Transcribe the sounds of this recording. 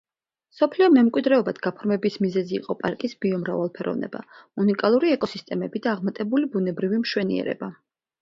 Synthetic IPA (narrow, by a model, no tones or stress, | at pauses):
sɔpʰliɔmɛmkʼwid̪ɾɛɔbad̪̥ɡapʰɔɾmɛbismizɛzḭːqʼɔpʼaɾkʼisbiɔmɾa̰valˠpʰɛɾɔ̰vnɛ̰ba̰unikʼalˠuɾiɛkʼɔsist̪ʼɛmɛbid̪aːʁmat̪ʼɛbulibunɛbɾivimʃwɛnḭɛ̰ɾɛ̰ba